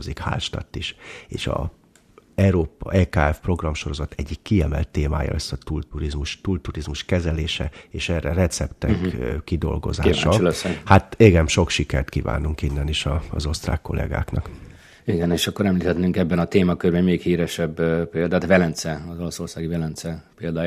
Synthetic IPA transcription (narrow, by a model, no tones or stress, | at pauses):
ozikha̰ːlʃt̪ɒ̰t̪ːiʃeːʃɒ̰ | ɛɾoːpɛkaːɛfpro̞ɡrɒmʃo̞ɾo̞zɒt̪ʰɛɟːikːiɛmɛlt̪ːeːmaːjɒ̰ɛsɒt̪ult̪uɾizmuʃt̪ult̪uɾizmuʃkɛzɛleːʃɛeːʃɛːrːɛrɛt̪sɛpt̪ɛkid̪o̞̰lɡo̞̰zaːiːaʃɒlsɛhat̪eːɡɛmʃo̞kʃikɛrt̪kiva̰ːnːuŋkinːɛniʃɒːzo̞st̪ra̰ːkːo̞lʔɛ̰ɡa̰ːknɒk | iɡɛneːʃɒkːo̞ɾɛmliːt̪ʰɛt̪nyŋkɛbːɛnɒt̪eːmɒkørbɛɲmeːkhiːɾɛʃɛbpeːld̪aːt̪vɛlɛnt̪sɛɒzo̞lɔso̞rsaːɡivɛlɛnt̪sɛpeːld̪aːj